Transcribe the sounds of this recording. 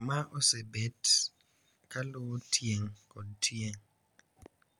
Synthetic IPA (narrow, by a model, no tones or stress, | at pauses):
maʔɔsebet | kalowotʰjeŋkɔd̚tʰieŋ